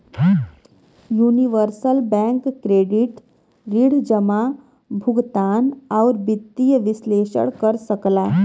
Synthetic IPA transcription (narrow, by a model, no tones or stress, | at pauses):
juːniʋəɾsəlbɛ̃ŋkːɾeːɖiʈ | ɾiɽ̤d͡ʒəma | bʱʊɡt̪aːnaʊɾbɪt̪ːijəʋɪsleːʃə̰ɽkəɾsəklaː